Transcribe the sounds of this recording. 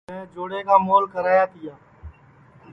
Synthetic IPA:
ẽd͡ʒoːɽekamoːlkəɾaːjat̪ɪjaː

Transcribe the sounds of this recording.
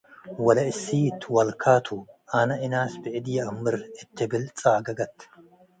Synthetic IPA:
wɐlɐɪsːiːt̪ʰwɐlkʰaːt̪ʰuɐnɐʔɪnaːsbɪʔɪd̪ijɐɐmːɪɾɪt̪ːɪbɪlt͡sʼaːɡɐɡɐt̪ː

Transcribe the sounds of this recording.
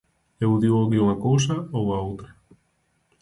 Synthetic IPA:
ewðiwoɣiuŋakows̬ɐowaowt̪ɾɐ

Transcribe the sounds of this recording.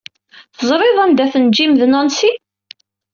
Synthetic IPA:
θəzˤɾˤɪðˤænd̪æθənd͡ʒiməðnɑnsi

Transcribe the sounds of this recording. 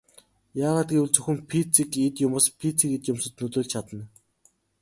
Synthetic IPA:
jaːʁaːt̪̚ɡewɘ̆ɮt͡sɵxʲɘ̆mpʰit͡sʰikit̪jʊmʊːspʰit͡sikit̪jʊmsɵ̆t̪nɵt̪ʊːɮt͡ɕʰat̪ə̆n

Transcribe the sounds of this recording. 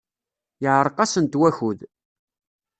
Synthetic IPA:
jəʕɾˤəqɑsənt̪wæçuð

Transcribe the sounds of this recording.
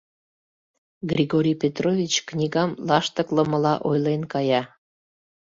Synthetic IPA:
ɡrʲiɣoɾʲijpʲet̪rovʲit͡ɕknʲiɣɑmlɑʃt̪əklə̆məlɑʔojlenkɑjɑ

